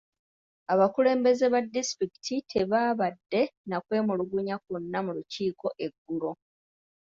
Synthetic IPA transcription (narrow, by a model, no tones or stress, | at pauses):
aβakule̞ːmbe̞ze̞βadːistɾiki̥tʰitʰe̞βaːβadːe̞nakwe̞ːmuluɡuɲak̚unːamuluciːko̞ʔe̞ɡːulo̞